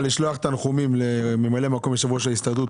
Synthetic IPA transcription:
liʃloaχet̪anχumimlememalemako̞mbeʃavuaʃelist̪ad̪ut

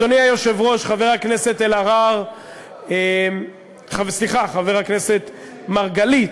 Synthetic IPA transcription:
oniajoʃevʁo̞ʃχaveʁhaknese̞t̪elaʁaʁ | em | χavsliχaχaveʁhakne̞se̞t̪ | maʁɡalit

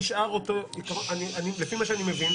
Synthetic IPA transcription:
ʃʔaʁotoikaʁoaniʔanilefimaʃeanimevin

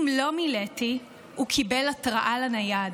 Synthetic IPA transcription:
mlo̞mileti | ukʰibelatʁaʔalanajad

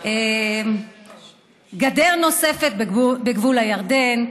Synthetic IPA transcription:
e | ɡad̪eʁno̞se̞fe̞t̪̚bbeɡvulajaʁd̪e̞n

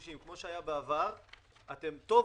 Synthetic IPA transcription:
ʃimkmo̞ʃeajabeavaʁate̞mt̪o̞

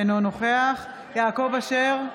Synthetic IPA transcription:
nonoχeaχ | jaːko̞vaʃeʁ

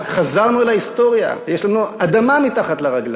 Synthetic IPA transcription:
χazaʁnuelaist̪o̞ʁja̰jeʃlanuad̪amamit̪aχat̪leʁaɡla

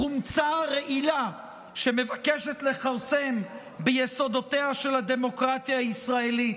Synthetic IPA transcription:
χumt͡saʁe̞ʔila | ʃe̞me̞vakeʃet̪le̞χaʁsem | bejeso̞d̪otehaʃe̞lad̪e̞mo̞kʁat̪jaːisʁae̞lit

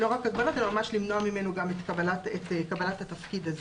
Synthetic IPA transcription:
lo̞ʁakaɡ̚balot̪elamamaʃlimnoamimenoɡamet̪kabalatet̪ekabalat̪hat̪ɐfkid̪aze

